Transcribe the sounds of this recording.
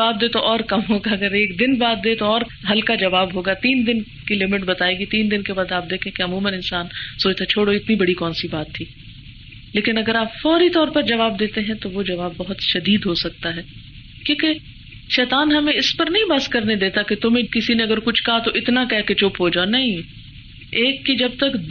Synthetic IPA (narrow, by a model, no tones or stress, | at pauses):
ɐaːb̚d̪eːt̪oʔɔːɾkɐmɦoːɡaɐɡəɾeːk̚d̪ɪnbaːt̪̚d̪et̪oɔːɾ | ɦɐlkad͡ʒɐʋaːbɦoːɡat̪iːnd̪ɪn | kilɪmɪʈbɐt̪aːeɡit̪iːnd̪ɪnkebaːd̪aːp̚d̪eːkʰẽkeɐmuːmənɪ̃nsaːnsoːt͡ʃt̪ʰet͡ʃʰoːɽoɪt̪nibɐɽikɔːnsibaːt̪ʰːiː | leːkɪnɐɡəɾaːpfɔːɾit̪ɔːɾpɐɾd͡ʒɐʋaːb̚d̪eːt̪eɦɛ̃t̪oʋod͡ʒɐʋaːbːɐɦʊt̪ʃɐd̪iːd̪ɦosɐk̚t̪aɦɛː | kjõːke | ʃɛːt̪aːnɦɐmẽɪspɐɾnɐɦĩbaskɐɾned̪eːt̪aket̪ʊmẽkɪsineɐɡəɾkʊt͡ʃʰkɐɦat̪oʔɪt̪nakɛɦket͡ʃʊpɦoːd͡ʒaːnɐɦĩ | eːkːid͡ʒɐb̚t̪ɐk